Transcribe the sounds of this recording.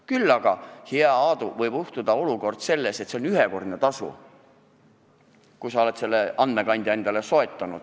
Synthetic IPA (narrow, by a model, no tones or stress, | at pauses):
kylːɑɡ̥ɑheɑɑːd̪uvɤjb̥uht̪ud̪ɑo̞luko̞rd̪̥se̞lːe̞set̪ːse̞onyɦeko̞rd̪net̪ɑsṵ | kujsɑo̞le̞t̪se̞lːeɑnd̪me̞kɑnʲd̪̥ʲjɑend̪̥ɑleso̞e̞t̪ːˑɑnud̪̥